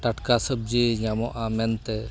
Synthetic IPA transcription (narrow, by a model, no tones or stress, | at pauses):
ʈaʈkasəb̚d͡ʒiɲamɔʔamɛnt̪ɛ